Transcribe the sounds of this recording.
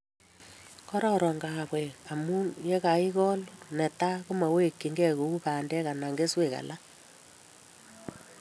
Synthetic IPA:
kɔ˦ɾɔ˦ɾɔ˨ŋɡa˨pwɛ˨a˨mu˦je˦ka˨i˦kɔ˦lnɛ˨ta˦ko˦ma˨we˦˨kːi˨ŋɡɛ˦ko˨u˦pa˨ndɛ˦ka˨na˨ŋɡe˦swe˨ka̰˨la˦

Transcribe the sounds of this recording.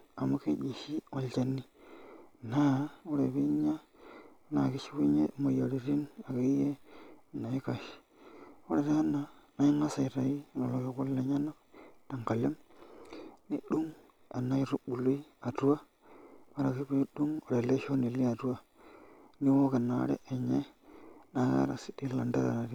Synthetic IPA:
a˨mo˦ke˦d͡ʒi˨ʃi˦wa˨lt͡ʃa˨nːi˦ | na˦o˦ɾe˨βi˦ɲa˦ | la̰˨ki˦t͡ʃi˦wi˦ɲḛ˦mo˨jo˨ɾi˨ɾi˦na˨ka˦i˦je˦˨na˨i˦ka˨ʃi̥˨ | o˦ɾe˨ta˦na˨na˦i˦ŋɡa˦sa˨i˨ɾa˨ji˦˨lo˨lo˨˦ki˦ku˦lːa˨ɲa˦no˦da˨ŋka˨le˦m | ni˦ɗu˦ŋ | a̰˨na˦i˦ɾu˦ɓu˨lu˦i˦a˨tu˦wa˦ | ma˨ɾa˨ki˦bi˦ɗu˦ŋo˨ɾe˨le˦ʃo˦ni˨li˦a˨tu˦wa˦ | ni˦wo˦ka˨na̰˨˦ɾḛ˦ʔe˨ɲe˦na˨ɣa̰˦ɾa̰˨si̥˦di˦la˨nda̰˦ɾa̰˨ɾa˨ɾi˦

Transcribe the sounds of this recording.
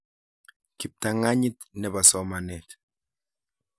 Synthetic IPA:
ki˨p̚ta˨ŋa˦ɲi˦tnɛ˨ba˨sɔ˦ma˨nɛ˨t

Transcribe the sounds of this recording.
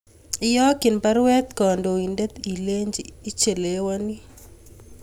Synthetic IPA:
ɪjɔ˦kɪ˨npa˦ɾwɛ˦t̪kɔ˨ndo˨i˨nde˦t̪i˨le˦ɲd͡ʒi˦t͡ʃe˨le˨wa˦ni˦

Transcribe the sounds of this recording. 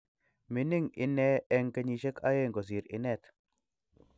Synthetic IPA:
mɪ˨nɪ˦ŋɪ̰˨nɛ˦ɛ˦ŋkɐ˨˦ɲi˨ʃe˦kʰa˦je˦ŋɡo˨s̬i˨ɾɪ̰˨nɛ˨t̪

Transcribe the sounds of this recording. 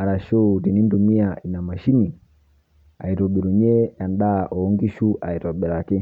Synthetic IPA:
a˨ɾa˨ʃɔ˦˨ti˨ni˦n̩˦du˨mi˦a˨i˨na˨ma˨ʃi˦ni˨ | a̰˨i˨ɾɔ˨ɓi˨ɾu˨ɲɛ˦a˨nda˦˨ʔɔ˨˦ŋɡi˦ʃu˦ʔa˨i˨ɾɔ˨bɛ˨ɾa˨ki˦

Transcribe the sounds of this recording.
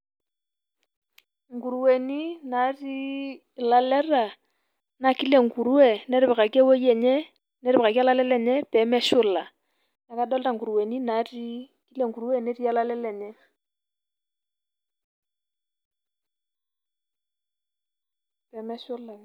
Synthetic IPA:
ŋ̩˨ɡu˨ɾu˨˦we˨ni˦na˨˦ri˦ | la˨lɛ˦ra˨ | na˨ki˦le˨ŋ̩˨ku˨ɾu˦ɛ˨nɛ˦ɾɪ˦ɛ˨ka˨ki˦ɛ˦wo˦jɛ˨ɲɛ˦ | nɛ˦ɾɪ˦ɪ˨ka˨ki˦a˦la˦lɛ˦lɛ˦ɲɛ˦pɛ˨˦mɛ˦ʃʊ˦la˨ | na˨˦ka˦ɗɔ˦lta˦ŋɡu˨ɾu˨we˨ni˦na˨˦ri˦ | ki˦le˨ŋku˨ɾu˦ɛ˦˨ne˦ɾi˦a˦la˦lɛ˦lɛ˨ɲɛ˦ | pɛ˨˦mɛ˦ʃʊ˦la˨

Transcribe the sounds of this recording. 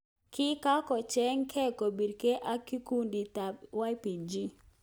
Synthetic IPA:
kɪ˦ka˦kɔ˨t͡ʃɛ˦ŋkʰɛ˦ko˨bi˨ɾke˦ʔa˦ki˦ku˦ndi˨ta˨wa˦pi˨d͡ʒi˦

